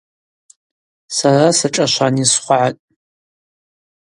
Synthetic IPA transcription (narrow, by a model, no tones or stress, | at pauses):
sarasaʈ͡ʂʼaʃʷanisχʷaʕatʼ